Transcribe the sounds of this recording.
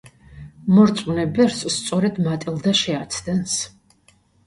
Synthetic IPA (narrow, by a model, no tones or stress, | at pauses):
mɔɾt̪sʼunɛbɛɾsst̪sʼɔɾɛd̪mat̪ʼilˠd̪aʃɛat̪ʰd̪ɛns